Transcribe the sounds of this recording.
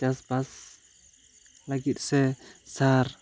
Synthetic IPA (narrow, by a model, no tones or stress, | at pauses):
d͡ʒasbas | laɡit̪̚ʼˀsɛsaɾ